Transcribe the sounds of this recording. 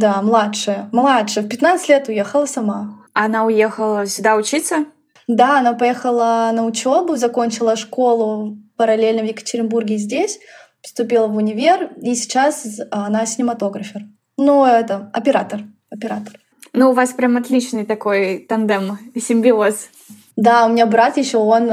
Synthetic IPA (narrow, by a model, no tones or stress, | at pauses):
d̪amlˠatʂɨjəmlˠatʂɨəfpʲɪt̪nat̪sɨ̥tʲlʲet̪ʊjexəlˠəsɐma | ɐnaʊjexəlˠəsʲʊd̪aʊt͡ɕit̪sə | d̪aɐnapɐjexəlˠənəʊt͡ɕobʊzɐkonʲt͡ɕɪlˠəʂko̞lˠʊpəɾɐlʲelʲnəvjɪkə̥tʲɪɾʲɪnburɡʲɪzʲdʲesʲ | pst̪ʊpʲilˠəvʊnʲɪvʲerisʲɪ̥t͡ɕasɐnasʲɪnʲɪmɐt̪o̞ɡɾəfʲɪr | nuɛt̪əɐpʲɪɾat̪ər | ɐpʲɪɾat̪ə̥r | nuːvaspɾʲamɐt̪lʲit͡ɕnɨjt̪ɐkojt̪ɐnd̪ɛmsʲɪmʲbʲɪos | d̪aʊmʲɪnʲabɾat̪jɪɕːoon